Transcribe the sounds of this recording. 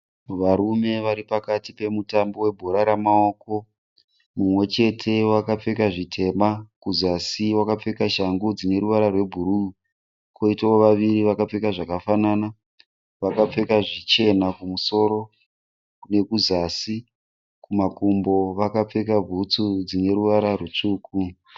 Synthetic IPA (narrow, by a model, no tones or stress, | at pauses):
ʋaɾume̞ʋaɾipakatipe̞mutambo̞we̞bʱo̞ɾaɾamao̞ko̞ | mumwe̞t͡ʃe̞tʰe̞wakap͡fe̞kaʐitʰe̞makuzasiwakap͡fe̞kaʃaŋɡud͡zine̞ɾuʋaɾarwe̞bʱuɾu | ko̞itaoʋaʋiɾiʋakap͡fe̞kaʐakafanana | ʋakap͡fe̞kaʐit͡ʃe̞nakumuso̞ɾo̞ | kne̞kuzasi | kumakumbo̞ʋakap͡fe̞kab͡vʱut͡sud͡zine̞ɾuʋaɾarwet͡ʂuːku